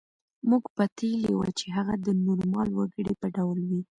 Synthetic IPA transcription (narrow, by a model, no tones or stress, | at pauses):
muɡpat̪elḛwa̰t͡ʃeɦaɣad̪ənuɾmɑlwaɡəɽipəɖawlwi